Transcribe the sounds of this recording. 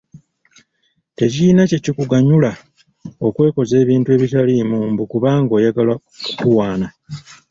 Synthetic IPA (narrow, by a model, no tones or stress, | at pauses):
te̞ciinacecikuɡaɲula | o̞kwe̞ːko̞ze̞ːβiːntue̞βitalimuːmbukuβaːŋɡo̞jaɡala | kukuwaːna